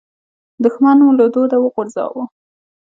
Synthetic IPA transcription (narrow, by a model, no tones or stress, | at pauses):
d̪ʊxmanolod̪od̪awəɣʊɾzɑ̰wu